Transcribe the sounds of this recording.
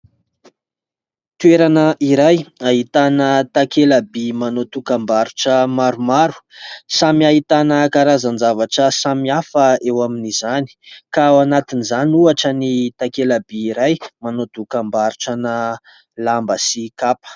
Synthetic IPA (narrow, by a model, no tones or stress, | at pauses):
t̪ueɾanəʔiɾajaɦit̪anət̪akelabimanot̪ukambaɾuʈ͡ʂəmaɾumaɾu̥samiaɦit̪anəkaɾazand͡zavaʈ͡ʂəsamiafəewaminizani̥kaanat̪inizanuaʈ͡ʂənit̪akelabiːɾajmanot̪ukambaɾuʈ͡ʂana | lambəsikapə̥